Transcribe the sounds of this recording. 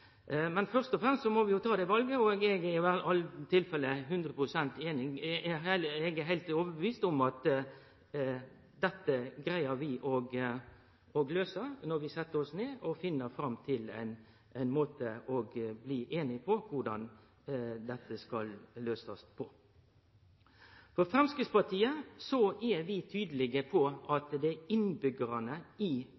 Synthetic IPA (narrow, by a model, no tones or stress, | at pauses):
mɛnfœɾst̪ɔfɾɛmst̪sɔmɔʋɪjʊt̪ʰɑːd̪ɛʋɑlɡəɔɡɛɡɛɪʋæɑlːt̪ʰɪlfɛlːəɦʉnd̪ɾəpʰɾʊsɛnt̪eːnɪŋ | ɛɡɛɦæɪlt̪oːʋəbəʋiːst̪ʊmɑt̪ | d̪ɛt̪ːəɡɾæɪəɾʋɪʔɔɡ | ɔɡløːsəɾnɔɾʋɪsɛt̪ːəɾɔsneːɔfɪnːəɾfɾɑmt̪ʰɪlæ̰ɪn | æɪnmoːt̪əɔɡbliːʔeːnɪpʰɔʋʊɖɑn | d̪ɛt̪ːəskɑlːøːsɑspʰɔ | fɔɾfɾɑmskɪspɑt̪ʰiːəsɔæɾʋɪt̪ʰyːd̪əlɪɡəpʰɔʔɑt̪d̪ɛæɪnbʏɡəɾɑnəɪ